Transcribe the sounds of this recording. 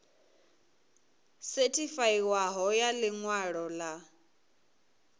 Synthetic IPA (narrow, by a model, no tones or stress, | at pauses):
setʰʼifaiwaɦɔjalɪŋwaɺɔla